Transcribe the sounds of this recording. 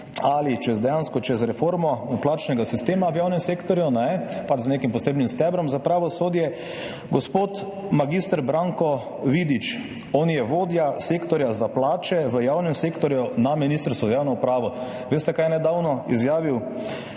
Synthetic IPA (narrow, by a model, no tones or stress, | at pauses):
alit͡ʃɛzd̪ɛjanskɔt͡ʃɛzɾɛfoːɾmɔplaːt͡ʃnɛɡasist̪eːmaʋjaːwnɛmseːkt̪ɔɾjunɛpat͡ʃzneːkimpɔseːbnimst̪ɛbɾɔmzapɾaʋɔsoːd̪jɛ | ɡɔspoːt̪ | maɡist̪əɾbɾaŋkɔ | ʋid̪it͡ʃ | ɔnjɛʋoːd̪jaseːkt̪ɔɾjazaplaːt͡ʃɛʋəjaːwnɛmseːkt̪ɔɾjunaminiːst̪əɾst̪ʋɔzajaːwnɔupɾaːʋɔ | ʋeːst̪ɛkajɛnɛd̪aːwnɔizjaːʋiw